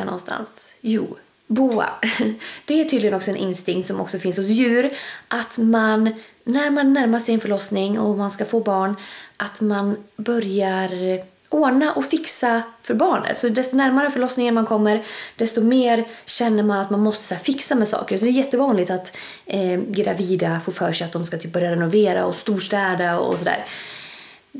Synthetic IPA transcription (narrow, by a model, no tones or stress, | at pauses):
nɔ̰nst̪ʰa̰nsjṵː | buːa̰ | d̪̥ɛæʈʰyːd̪ɪɡənɔksɔɛnʔɪ̰nst̪ɪŋkt̪sɔmɔ̰ksɔfɪnshʊsjʉ̟ːɾʔat̪manː | æɾmanːæɾmasɛjɛnfœɭɔsnɪŋɔ̰manskafoːbɑːɳʔat̪manbœɾjaɾ | ʔoːnaʔɔfɪksafœɾbɑːɳə̰t̪sɔd̪ɛst̪ɔnæɾmaɾəfœɭɔsnɪŋɾmankʰɔmːəɾd̪ɛst̪ɔmeːɾɕɛnːəɾmanat̪manmɔst̪əsæːɾfɪksamɛsɑ̰ːkəɾsɔd̪ɛːɾjɛt̪ːəvɑːnlɪɡ̚t̪at̪ | ɡɾa̰viːd̪afʊfœːʂɛat̪̚d̪ɔmskat̪ʰyːp̚bœɾjaɾɛnʊveːɾa̰ɔst̪uːʂʈ̪ɛːd̪əɔ̰sɔd̪æ̰ːɾ